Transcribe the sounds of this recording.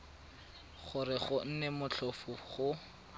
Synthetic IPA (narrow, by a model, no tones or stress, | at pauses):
χʊrɪχʊn̩nɛmʊt͡ɬʰɔfʊχʊ